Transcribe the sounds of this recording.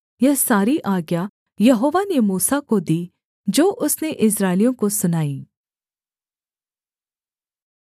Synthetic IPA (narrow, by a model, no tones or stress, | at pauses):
jɛsaːɾiʔaːɡja | jɐɦoːʋanemuːsakod̪iː | d͡ʒoːʔʊsneʔɪs̬ɾaːɪlijõkosʊnaːiː